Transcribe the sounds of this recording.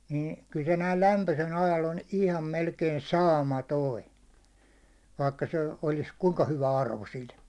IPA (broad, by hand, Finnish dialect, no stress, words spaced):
niːn kyl se næil læmpøsel ɑjɑl on ihlɑm melkei sɑːmɑtoi ʋɑikːɑ se olis kuŋkɑ hyʋæ ɑrʋo sil